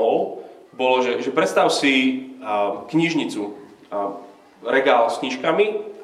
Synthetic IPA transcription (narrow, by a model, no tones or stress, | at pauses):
ɔʊbɔlɔʒɛʒɛpɾɛt̪st̪aʊsi | kɲiʒɲit͡su | ɾɛɡaːlskɲiʃkami